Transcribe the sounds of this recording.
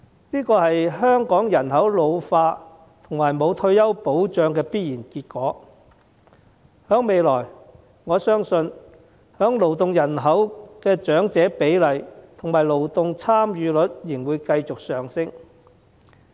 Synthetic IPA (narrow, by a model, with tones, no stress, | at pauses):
niː˥kɔː˧hɐ˨jɦœː˥ŋkɔː˨˥ŋjɐ˨˩nɦɐ˨˥wlo˨˧wfaː˧ | t̪ʰʊ˨˩ŋmaː˨˩jmo˨˧wt̪ʰɵ˧ɥjɐ˥wpo˨˥wt͡ʃœː˨ŋkɛː˧piː˥t̚jiː˨˩nkiː˧t̚kɔː˨˥ | hœː˨˥ŋme˨˧jlɔː˨˩j | ŋɔː˨˧sœː˥ŋsɵ˧n | hœː˨˥ŋlo˨wt̪ʊ˨ŋjɐ˨˩nɦɐ˨˥wkɛː˧t͡ʃœː˨˥ŋt͡sɛː˨˥pe˨˥jlɐ˨jt̪ʰʊ˨˩ŋmaː˨˩jlo˨wt̪ʊ˨˧ŋt͡sʰaː˥mjyː˨˧lɵ˨˥t̚jɪ˨˩ŋwuː˨˧jkɐ˧jt͡sʊ˨k̚sœː˨ŋsɪ˥ŋ